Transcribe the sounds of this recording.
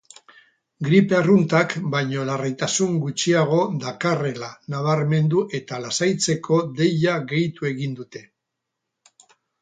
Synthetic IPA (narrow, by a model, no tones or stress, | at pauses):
ɡɾipearunt̪akbajɲo̞larejt̪asuŋɡut͡ʃiaɣ̞o̞ðakare̞lanaβ̞aɾme̞nd̪uʔe̞t̪alasajt͡se̞kʰo̞ðe̞ʎaɣe̞jt̪ue̞ɣind̪ut̪e̞